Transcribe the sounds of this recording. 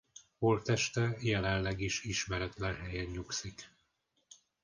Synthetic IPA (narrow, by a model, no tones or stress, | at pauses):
holt̪ɛʃt̪ɛjɛlɛnlɛɡiʃiʃmɛɾɛt̪lɛnɦɛjɛɲːuksik